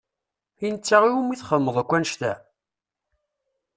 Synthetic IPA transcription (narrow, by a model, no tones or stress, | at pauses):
inət͡sːaʁiwumːiθχəmːəðˤækʷːænʃt̪æ